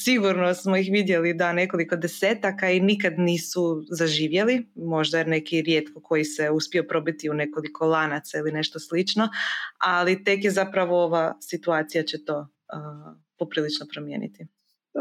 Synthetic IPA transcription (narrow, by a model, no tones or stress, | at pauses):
siɡuɾno̞smoixʋid̪je̞lid̪ane̞ko̞liko̞d̪e̞seːt̪akainikad̪niːsuzaʒiːʋje̞limo̞ʒd̪ajeɾne̞kiɾjet̪kʰo̞kʰo̞jiseuspio̞pɾo̞bit̪iune̞ko̞likʰo̞lˠanat̪sailine̞ʃt̪oslit͡ʃno̞alit̪e̞kjezapɾaʋooʋasit̪uaːt̪sijat͡ɕet̪o̞ː | ə | po̞pɾiːlit͡ʃnopɾomjḛːnḭt̪i